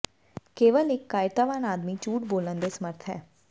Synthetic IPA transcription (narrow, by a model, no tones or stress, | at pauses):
keːʋəlɪkːaːɪt̪aːʋaːnaːd̪mit͡ʃuːʈboːlənd̪eːsəməɾt̪ʰɦɛ̰ː